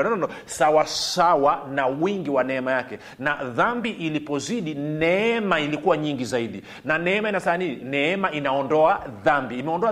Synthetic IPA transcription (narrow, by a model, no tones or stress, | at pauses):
nɔnɔnɔsawasawanawiŋɡiwanɛɛmajakɛ | naðambiʔilipɔziɗinɛɛmailikuwaɲiŋɡizaiɗi | nanɛɛmainasaniinɛɛmaʔinaɔndɔaðambiːmɛɔndɔa